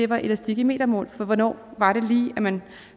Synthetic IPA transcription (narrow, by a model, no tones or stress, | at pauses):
e̝ʋɑ̈ʔe̝læsd̥iɡ̥əme̝̰ːd̥ɐmɔ̰ːlfɒ̽ʋɒnɒ̰ːʋɑ̈ɾe̝liːæmæn